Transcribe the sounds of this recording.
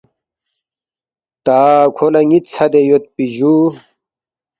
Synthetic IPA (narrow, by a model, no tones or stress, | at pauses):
t̪aːkʰolɐŋit̪t͡sʰɐd̪ejot̪̚piʑu